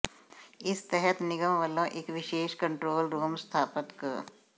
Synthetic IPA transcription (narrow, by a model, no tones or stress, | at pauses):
ɪst̪ɛɦɛt̪nɪɡəmʋəlãʔeːkʋɪʃeːʃkə̃ɳʈɾoːlɾoːmst̪ʰaːpət̪kə